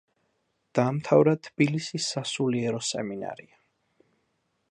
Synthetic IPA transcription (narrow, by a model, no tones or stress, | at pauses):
d̪̥aːmt̪ʰavɾat̪ʰːb̥ilisisːasuliɛɾɔsɛ̰mina̰ɾia